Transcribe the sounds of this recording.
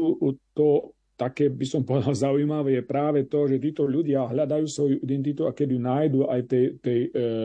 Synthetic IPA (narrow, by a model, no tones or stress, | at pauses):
uʔt̪ɔ | t̪akɛːbisɔmpɔd̪alzaujmaʋɛːjɛpɾaːʋɛt̪ɔʒɛt̪iːt̪ɔʎuɟɪaɦʎad̪ajuːsʋɔjuʔid̪ɛnt̪̬it̪uakɛd̪ijunaːjd̪uːʔajt̪ɛjt̪ɛj